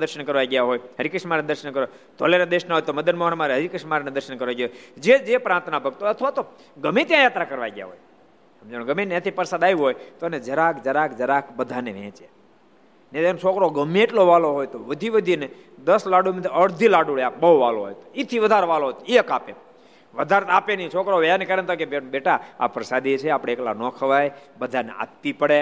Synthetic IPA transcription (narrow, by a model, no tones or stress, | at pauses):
d̪əɾʃənkəɾʋajɡjaɦojɦəɾikəʃmaɾnd̪əɾʃənkəɾo | t̪o̰leɾad̪eʃnaɦojt̪oməd̪ənmoɦənmaɾeɦəɾikəʃmaɾned̪əɾʃənkəɾʋajɡjaɦod͡ʒed͡ʒepɾãnt̪nabʱəɡ̚t̪oɦoət̪ʰəʋat̪o | ɡəmet̪jãjat̪ɾakəɾʋa̰jɡja̰ɦoj | əmd͡ʒəɽ̃õɡəmenjãt̪ʰipəɾsad̪ajuɦojt̪oəned͡ʒəɾakʰd͡ʒəɾakd͡ʒəɾakʰbəd̪ʱaneʋɛ̰̃t͡ʃe | net̪ent͡ʃʰokɾoɡəmeeʈloʋaloɦojt̪oʋəd̪ʱiʋəd̪ʱine | d̪əslaɖumət̪ʰiəɽd̪ʱilaɖuɭeabəʋaloɦo̰jt̪o̥it̪ʰiʋəd̪ʱaɾeʋaloɦojt̪oiəkape | ʋəd̪ʱaɾt̪apenit͡ʃʰokɾoʋankəɾent̪ʰakebebeʈaa̰pɾəsad̪it͡ʃʰeapɽeekla̰nɔ̃kʰəʋajbəd̪ʱanḛa̰t̪ːipəɽe